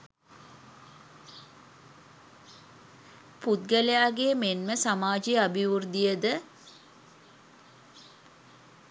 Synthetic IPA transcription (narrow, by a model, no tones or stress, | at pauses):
put̪̚ɡəlejaːɡejəmenməsamaːd͡ʒiabiʋurd̪ijəd̪ə